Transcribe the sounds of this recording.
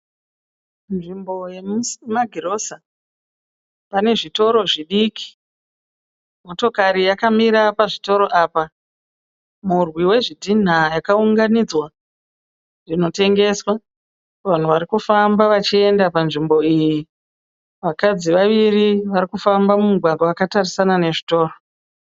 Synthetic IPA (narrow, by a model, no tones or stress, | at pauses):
nʐimbo̞je̞mumaɡʱiɾo̞sa | pane̞ʐito̞ɾo̞ʐiɗiki̥ | mo̞to̞kaɾijakamiɾapaʐito̞ɾo̞ʔaːpa | murwiwe̞ʐidʱin̤ajakauŋɡanid͡zwa | rino̞te̞ŋɡe̞swa | ʋan̤uʋaɾikufambaʋat͡ʃie̞ndapanʐimbo̞iːji | ʋakad͡ziʋaʋiriʋaɾikufambamumuɡʱwaɡʱwaakatarisanane̞ʐito̞ːro